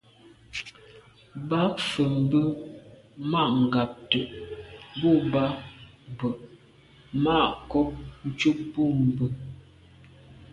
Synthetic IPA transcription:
ba˦fə˨m̩˨bə˦ | ma˦˨ʔŋ̩˨ɡa˨p̚tə˨ʔbu˦˨ba˦ | bə˨ʔ | ma˦˨ʔkɔ˦p̚n̩˦t͡ʃu˦k̚bu˦m̩˨bə˨

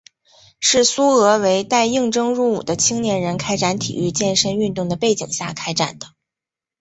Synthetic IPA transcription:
ʂɻ̩˥˩su˥ɤ˧˥we˧˥ɪt̪a˥˧ɪi˥˩ŋʈ͡ʂɤ˥ŋɻu˥˩ṵ˨˩d̪ə˦t͡ɕʰi˥ŋnjɛ˧˥nɻə˧˥nkʰa˥ɪʈ͡ʂa˧˥nt̪ʰḭ˨˩y˥˧t͡ɕjɛ˥˧nʂə˥ny˥˧nt̪ʊ˥˩ŋd̪ə˩pe˥˩ɪt͡ɕḭ˨˩ŋɕja̰˥˩kʰa˥ɪʈ͡ʂa̰˨˩nd̪̥ə˦

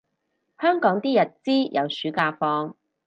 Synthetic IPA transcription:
hœː˥ŋkɔː˨˥ŋt̪iː˥jɐ˨t̚t͡siː˥jʔɐ̰˨˧wsyː˨˥kaː˧fɔː˧ŋ

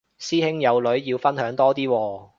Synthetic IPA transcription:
siː˥hɪ˥ŋjɐ˨˧wlɵ˨˥ɥjiː˧wfɐ˥nɦœː˨˥ŋt̪ɔː˥t̪iː˥wɔː˧

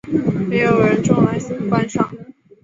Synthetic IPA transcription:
me˧˥ɪjo˧˥ʊe˨˩ɻə˧˥nʈ͡ʂʊ˥ŋla˧˥ɪɕi˨˩ŋkwa˥nʂɑ˥˩ŋ

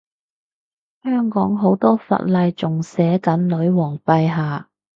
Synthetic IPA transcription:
hœː˥ŋkɔː˨˥ŋɦo˨˥wt̪ɔː˥fɐ̰˨t̚lɐ˧jt͡sʊ˨ŋsɛː˨˥kɐ˨˥nlɵ˨˥ɥwɔː˨˩ŋpɐ˧jɦaː˨˩

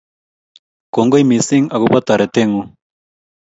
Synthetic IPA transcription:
ko˨ŋɡo˦jmi˨si˦ŋa˨ɣu˦pa˦t̪a˨ɾe˨t̪e˦ŋu˦

